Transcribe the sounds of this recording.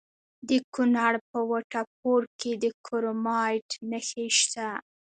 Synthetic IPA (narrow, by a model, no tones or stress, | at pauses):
d̪əkunaɽpəwaʈap̚oɾked̪əkʰoɾomɑjʈnəxeʃt̪a